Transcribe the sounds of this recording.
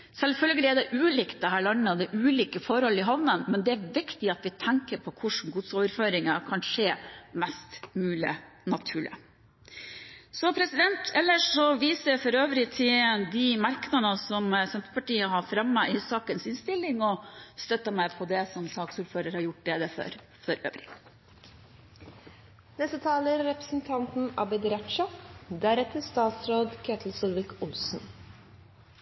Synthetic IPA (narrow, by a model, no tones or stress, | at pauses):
sɛlfœlɡəlɪæɖ̪ɛʔʉːliːkt̪̚d̪ɛɦæːɭɑnəɔd̪ɛʔʉːliːkəfɔɾhɔlːɪɦɑʋnənmɛnd̪ɛæɾʋɪkt̪ɪɑt̪ʋɪt̪ʰɛŋkəɾpʰɔkʰʊʂɳn̩ɡʊd̪soːʋəɾføːɾɪŋɑkʰɑnʂeːmɛst̪mʉːlɪ̰ | nɑt̪ʰʉːɭɪ̰ | sɔpʰɾɛsɪd̪ɛnt̪ʰɛlːəʂɔʋiːsəfɔɾøːʋəɾɪt̪ʰɪd̪ɪmɑɾknɑnəsɔmsɛmp̪əpɑʈiːəɦɑfɾɑmːəʔɪsɑːkənsɪnst̪ɪlːɪŋɔst̪œt̪ːəmæɪpʰɔd̪ɛsɔmsɑːksuːɾføːɾəɾhɑɾjʊʈ̚ːd̪ɛd̪ɛfø̰ɾ | fɔɾʔø̰ːʋɾɪ | d̪̥ɛsət̪ʰɑːləɾɾɛpɾə̥sn̩t̪ʰɑnt̪n̩ɑbɪd̪ɾɛʈʃɑd̪æɾɛt̪ːəst̪ɑːt̪sɾoːd̪kʰøːt̪ʰl̩sulʋɪkʊlsn̩